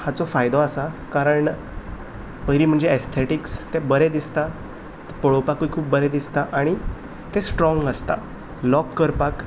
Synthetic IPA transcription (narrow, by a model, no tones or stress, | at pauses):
hat͡sɔfajd̪ɔasakaɾəɳ | pəɾiːm̤əɳd͡zeest̪ʰeʈikst̪ebəɾed̪ist̪a | t̪pəɭopakuikʰuːp̚bəɾed̪ist̪aʔaɽ̃i | t̪esʈɾɔŋɡəst̪a̰ | lɔkːəɾpak